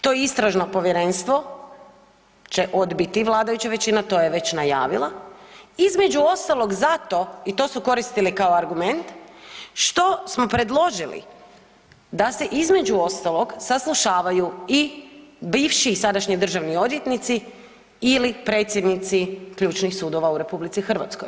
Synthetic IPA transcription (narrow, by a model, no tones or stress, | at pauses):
t̪o̞jeist̪ɾaʒnopo̞ʋjeɾe̞nst̪ʋo̞ | t͡ɕe̞ʔo̞d̪bit̪iʋlˠaːd̪ajut͡ɕaʋe̞t͡ɕinat̪o̞ːjeʋe̞t͡ɕnaja̰ːʋilˠa | izme̞d͡ʒuo̞st̪alˠo̞ɡzat̪o̞it̪o̞suko̞ɾist̪ilikaoaɾɡume̞nt̪ʃt̪o̞smo̞pɾe̞d̪lˠo̞ʒilḭ | d̪ase̞ʔizme̞d͡ʒuo̞st̪alˠo̞ɡsaslˠuʃaːʋajuibiːʋʃiːsad̪aʃɲid̪r̩ʒaʋnio̞d̪jet̪nit̪si | ilipɾe̞ːt̪sjed̪nit̪sikʎuːt͡ʃnixsuːd̪o̞ʋauɾe̞publit̪sixr̩ʋa̰t̪skoj